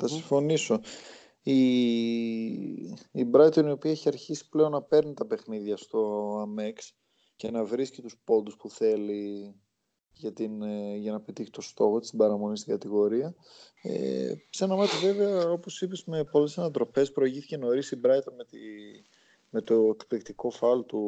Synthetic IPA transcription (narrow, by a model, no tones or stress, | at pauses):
θɐsiɱfo̞niso̞ | i | bɾɐjt̪o̞nio̞piɐeçiɐɾçisi̥ple̞o̞nːɐpe̞ɾnit̪ɐpe̞xniðʝɐst̪o̞ɐmeks | ce̞nɐvɾiscit̪uspo̞d̪uspuθe̞li | ʝɐt̪inʝɐnɐepet̪içi̥t̪o̞st̪o̞xot̪i̥st̪ibɐɾɐmo̞nist̪iɡɐt̪iɣo̞ɾiɐ | ḛsenɐmɐt̪ive̞veɐo̞po̞sipizme̞po̞le̞sɐnɐt̪ɾo̞fe̞spɾo̞iʝiθice̞no̞ɾisibɾɐjt̪o̞nmet̪i | me̞t̪o̞ekplikt̪iko̞fɐlt̪u